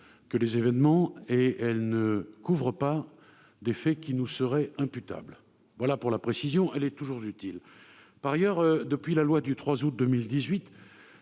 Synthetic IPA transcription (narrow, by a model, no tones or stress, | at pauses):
kəlezevɛnmɑ̃eɛlnəkuvʁəpa | d̪efɛkʲinusəʁɛɛ̃pyt̪a̰bl | vwalapuʁlapχesizjɔ̃ʔɛlɛt̪uʒuʁzyt̪il | paʁajœʁød̪əpɥilalwad̪yt̪χwazut̪̚d̪əmild̪izɥit̪